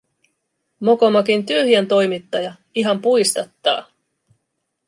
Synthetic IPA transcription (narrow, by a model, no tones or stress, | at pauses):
mo̞komɑkint̪yøhient̪o̞jmit̪ːɑjɑ | iɦɑmpujst̪ɑt̪ːɑ̰ː